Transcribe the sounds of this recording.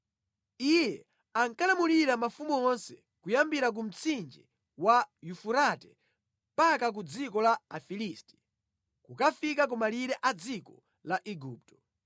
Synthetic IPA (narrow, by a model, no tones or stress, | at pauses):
ijɛ | aŋkalamuliɾamafumuɔnsɛ̥ | kujambiɾak̬um̩t͡sʰind͡ʒi | wajufuɾatɛ | mpakak̬ud͡zikɔlaafilisti̥ | kukafikak̬ɔmaliɾɛʔad͡zikɔ | laʔiɡuːp̚tɔ̥